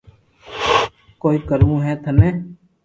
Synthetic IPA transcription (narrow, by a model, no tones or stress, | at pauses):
koːiːkəɾũːɦɛːt̪ʰəneː